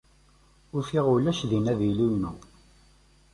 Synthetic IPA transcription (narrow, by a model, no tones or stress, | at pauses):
ʊɾfiʁʊlæʃðinæðilujnu